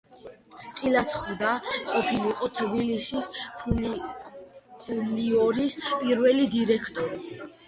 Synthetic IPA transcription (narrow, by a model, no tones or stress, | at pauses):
t̪sʼilat̪ʰχvd̪aqʼɔpʰiliqʼɔt̪ʰbilisispʰ | kʰʼuliɔɾispʼiɾvɛlid̪iɾɛkʰt̪ʼɔɾi